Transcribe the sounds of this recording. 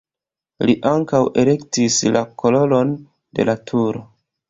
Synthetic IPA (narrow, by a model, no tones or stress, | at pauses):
liʔaŋkawe̞le̞ktislakolo̞lo̞n | de̞̰latʰuɾo̞